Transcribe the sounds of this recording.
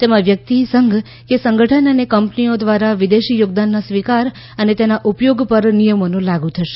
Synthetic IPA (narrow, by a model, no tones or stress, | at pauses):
t̪emãʋjək̚t̪isəŋɡʱ | kesəŋɡəʈʰənənekəmpniod̪ʋaɾaʋid̪eʃijoɡ̚d̪anːasʋikaɾ | ənet̪enaʔupjoɡpəɾnijəmonũlaɡũt̪ʰəʃe̥